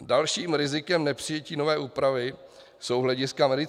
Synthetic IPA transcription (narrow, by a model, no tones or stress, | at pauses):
dalʃiːmɾɪzɪkɛmnɛpr̝̥ɪjɛciːno̞vɛːʔuːpɾavɪ | sowzɦlɛɟɪskamɛdɪ